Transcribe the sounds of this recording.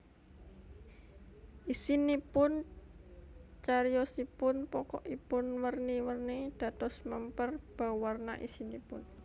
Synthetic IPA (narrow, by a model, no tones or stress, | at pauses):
ʔisinipʊn | t͡ʃaɾjɔsipʊnpɔkɔʔipʊnwərniwərnid̪̥a̤t̪ɔsməmpərb̥a̤warna̰ʔḭsinipʊn